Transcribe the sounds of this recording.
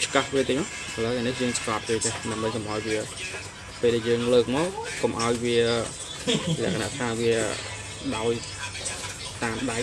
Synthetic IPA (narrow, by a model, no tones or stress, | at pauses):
t͡ɕkahriət̪əːc̚ma | ʔələːanihjəːŋskɑːp̚toːt̪eːɗaəmɓəɲkomʔaɔjʋiə | peːlɗæjəːŋləːk̚mɑːkkomʔaɔjʋiə | lɛ̆əʔkʰana̰ʔt̪ʰaːʋiə | ɗaɔj | t̪aːmɗaɛ